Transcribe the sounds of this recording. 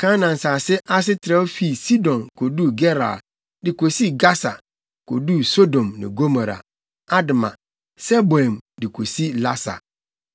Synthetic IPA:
kʰã˦nã˨n̩˨saː˨sɛ˦ʔa˦s̬ɪ˦tʰɪ˨ɾa˦wo˦fi˦˨si˦dɔ̃˨nkʰo˨du˦ɡɛ˦ɾa̰˨ | dɪ˨ko˨si˦ɡa˦sa̰˨ | kʰo̰˨du˦so˦dõ˨mnɪ̰̃˨ɡo˦ma˨ɾa̰˨ | a˦dɪ˨mã̰˨ | sɛ˦bɔ˨ɛ˨mdɪ˨kʰo˨si˦la˦sa̰˨

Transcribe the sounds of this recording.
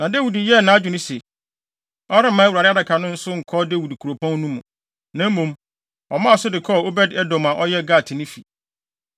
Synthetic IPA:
nã˨dɛ˦wi˨di˨jɛ˦˨nã˨˦d͡ʑᶣu˨nɪ̃˦sɛ˨ | ɔ˦ɾɪ˦mã˦wa˨ɾɪ˦a˦da˨kʰa˨nʊ̃˦n̩˦sʊ˦ŋ̩˨kʰɔ˦de˦wi˨dkʰu˨ɾo˨pʰɔ̃˦n˦nũ˦mũ˨ | nã˦m˦mũ˨m | ɔ˨mã˦a˨sʊ˦dɪ˨kʰɔ˦˨o˦bɛ˦dɛ˦dɔ˨mã˨ʔɔ˦jɛ˦ɡa˦˨tʰɪ˨nɪ̃˦fi˨

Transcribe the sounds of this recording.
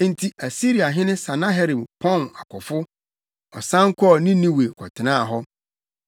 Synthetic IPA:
n̩˨tʰi˨ʔæ˨si˦ɾi˨a˨ɦɪ̃˦nɪ̃˦sã˨nã˦ɦɛ˦ɾi˨bpʰɔ̃˦˨na˨kʰʷɔ˨fʊ˦ | ɔ˨sã˦ŋ̩˦kʰɔ˦˨nɪ̃˦nĩ˦we˨kʰɔ˨tʰɪ˨nãː˦˨ɦɔ˦

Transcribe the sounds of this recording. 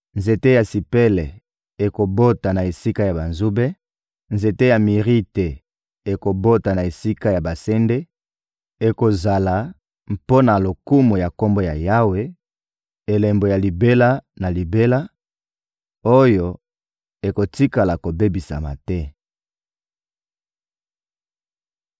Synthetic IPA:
nze˨te˦ja˨si˨pe˦lɛ˨ | e˨ko˨bo˦ta˨na˨e˨si˦ka˦ja˨ba˨nzu˦be˦ | nze˨te˦ja˨mi˨ʁi˦te˨ | e˨ko˨bo˦ta˨na˨e˨si˦ka˦ja˨ba˨sɛ˦nde˦ | e˨ko˨za˨la˨ | m˨po˦na˨lo˨ku˦mo˨ja˨ko˦mbo˦ja˨ja˦we˦ | e˨lɛ˨mbo˨ja˨li˨be˦la˦na˨li˨be˦la˦ | o˦jo˨ | e˨ko˨ti˦ka˨la˨ko˨be˦bi˨sa̰˨ma̰˨tɛ˦

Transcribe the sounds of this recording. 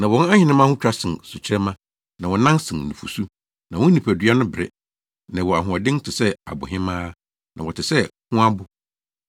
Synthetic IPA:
nã˨wɔ̃˨˦n˦a˦ɲɪ̃˨nɪ̃˦mã˦hʊ̃˦t͡ɕᶣa˦sɪ̃˨nsʊ˨t͡ɕʰɪ˦ɛ˦mã˦ | nã˨wɔ˨nã˦nsɪ̃˨nnũ˨fṵ˨su˦ | nã˨wɔ̃˦nĩ˨pʰæ˨dɥa˦nʊ̃˦bɪ˨ɾɛ̰˦ | nã˨wɔ˨a˨ɦʊ̃˨ɔ˨dɪ̃˦n˦tʰɪ˨sɛ˦a̰˨bʊ̰˨ɦɪ̃˦mãː˦ | nã̰˨wɔ˨tʰɪ˨sɛ˦hʊ̃˦a˦bʊ˦

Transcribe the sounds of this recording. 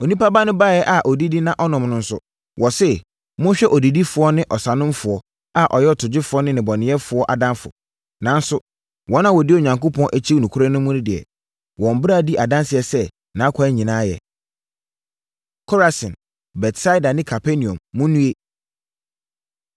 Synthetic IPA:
o˨nĩ˦pa˦ba˦nʊ̃˦baː˦˨jɛ˦ʔa˨ʔɔ˨di˦di˦nã˦ʔɔ˦nʊ̃˨mnʊ̃˨n̩˦sʊ˦˨ | wʔɔ˨sɛ˦˨ | mʊ̃˦ɕᶣɛ˦ʔɔ˨di˨di˦fʊ˨ɔ˦nɪ̃˦ʔɔ˨sa˨nʊ̃˦mfʊ˨ɔ˦ | a˦˨ʔɔ˨jɛ˦ɔ˨tʰʊ˨d͡ʑɪ˦fʊ˨˦ɔ˦nɪ̃˦nɪ̃˨bɔ˨nɪ̃˨˦ɛ˦fʊ˨ɔ˦ʔa˨dã˦nfʊ̰˨ | nã˨n˦sʊ˦ | wɔ̃˨˦nã˦wɔ˨dɪ˦o˨ɲã˨ŋko˦pʰɔ̃˦nʔæ˦t͡ɕʰi˦u˨nũ˨kʰu˦ɾã˦nʊ̃˦mːʊ̃˦nʊ̃˦dɪ˨ɛ̰˨ | wɔ̃˨m˨bɾa˦˨di˦ʔa˨dã˦nsɪ˨ɛ˨sɛ˦ | nãː˨˦kʰa˨ɛ˦ɲĩ˨nãː˦jɛ̰˨ | kʰɔ˦ɾa˨sɪ̃˨n | bɛ˨tsa˦i˦da˨nɪ̃˦kʰa˨pʰɛ˦nĩ˨ɔ̰̃˨mːʊ̃˦nːũ˦e˦

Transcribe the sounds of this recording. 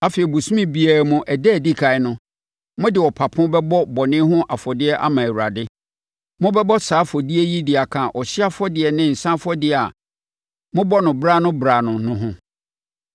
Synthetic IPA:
a˦fi˨ɛ˨bu˨sũ˦mĩ˦bi˨a˨mʊ̃˦ʔɛ˨dɛ˦˨di˦kʰa˨ɪ˦nʊ̃˦ | mʊ̃˦dɪ˨wɔ˨pʰa˨pʰʊ̃˦bɛ˦bɔ˦bɔ˨nɪ̃˦ɦʊ̃˦ʔa˨fɔ˨dɪ˦ɛ˦ʔa˦mã˨æ˨wu˨ɾa˨dɪ˦ | mʊ̃˦bɛ˦bɔ˦saː˨˦fɔ˨di˦ɛ˦ji˦dɪ˨a˨kʰã˨ʔɔ˨ɕɪ˦a˦fɔ˦dɪ˨ɛ˨nɪ̃˦n̩˨sã˦fɔ˦dɪ˦a̰˨ | mʊ̃˦bɔ˦nʊ̃˨bɾa˦nʊ̃˦bɾaː˨nʊ̃˨nʊ̃˦ɦʊ̃˦

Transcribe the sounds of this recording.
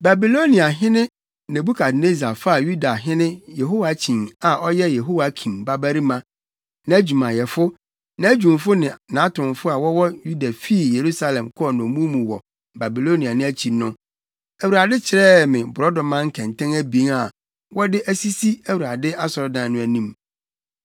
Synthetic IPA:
ba˨bi˨lo˦nĩ˨a˨ɦɪ̃˦nɪ̃˦ | nã˨bu˦kʰa˨dne˦za˨fa˦a˨ju˦da˨ɦɪ̃˦nɪ̃˦jɛ˨ɦo˦wa˨˦t͡ɕʰĩ˨ŋa˨ʔɔ˦jɛ˦jɛ˨ɦo˦wa˨˦kʰĩ˨nba˦bæ˦ɾi˦mã˦ | nã˨˦d͡ʑᶣu˨mã˨jɛ˨fʊ˦ | nã˨˦æ˦d͡ʑᶣũ˨mfʊ˦nɪ̃˨nã˨˦tʰʊ̃˨mfʊ˦a˨wɔ˦wɔ˦ju˦da˨fi˦˨je˨ɾu˦sa˦lɛ̃˨mkʰʊ˦ɔ˨nɔ̃˨mũ˦mũ˨wɔ̰˨ | ba˨bi˨lo˦ni˨a˨nʊ̃˦æ˦t͡ɕʰi˨nʊ̃˦ | æ˨wu˨ɾa˨dɪ˦t͡ɕʰɪ˨ɾɛː˦mɪ̃˨bʊ˨ɾɔ˦dɔ̃˨mã˦ŋ̩˦kʰɛ̃˨ntʰɛ̃˦ŋæ˦bĩ˨˦ŋa˨ | wɔ˦dɪ˦ʔæ˦si˦si˦æ˨wu˨ɾa˨dɪ˦a˦sɔ˨ɾɔ˦dã˨nʊ̃˦æ˨nĩ˦m

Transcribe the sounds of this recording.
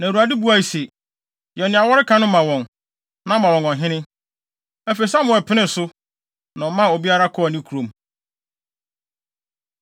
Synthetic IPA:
nã˨ɾu˨a˨dɪ˦bu˨˦a˨i˨se˨ | jɛ˨nɪ̃˨a˨wɔ˦ɾɪ˦kʰã˦nʊ̃˦mã˨wɔ̃˨n | nã˦mã˨wɔ̃˨ŋɔ̃˨ɦɪ̃˦nɪ̃˦ | æ˦fe˨sã˦mʊ̃˨ɛ˨pʰɪ˦nɪ̃˦˨sʊ˦ | nã˨mã˦o˨bi˦a˦ɾa˦kʰʊ˦˨nĩ˦kʰu˨ɾõ˨m

